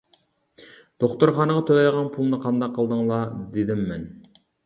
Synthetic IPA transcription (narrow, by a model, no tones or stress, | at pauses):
d̪̥oχt̪ʊɾχɑːnəʁɑt̪ʰolɑjʁɑnpʰulˠnɨqʰɑnd̪ɑqːəlˠd̪ɨŋlˠɑd̪ed̪ɪmːɛn